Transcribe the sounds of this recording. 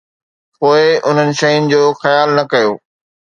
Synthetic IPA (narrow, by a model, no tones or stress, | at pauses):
poːɪʊn̤ənɪ̆ʃɐjʊnɪ̆d͡ʑoːxɐjaːlnɐkɐjoː